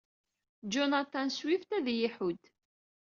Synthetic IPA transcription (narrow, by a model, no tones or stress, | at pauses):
d͡ʒonat̪ɑnswift̪æðjiħud̪